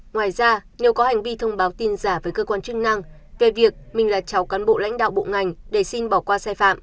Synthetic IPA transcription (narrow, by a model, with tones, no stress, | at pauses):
ŋwaː˨˩jzaː˧ne˨˦wkɔ˨˦ha˨˩jŋ̟vi˧t̪ʰə˧wŋ͡mɓaː˨˦wt̪i˧nzaː˧˩vəː˨˦jkəː˧kwaː˧nt͡ɕɨ˦˥k̚na˧ŋ | ve˨˩vi˨˩ək̚mï˨˩ŋ̟laː˨˩t͡ɕa˨˦wkaː˨˦nɓo̰˧˨la̰˧˥jŋ̟ɗa̰ː˧˨wɓo̰˧˨ŋa˨˩jŋ̟ɗe˧˩si˧nɓɔ˧˩kwaː˧saː˧jfa̰ː˧˨mʔ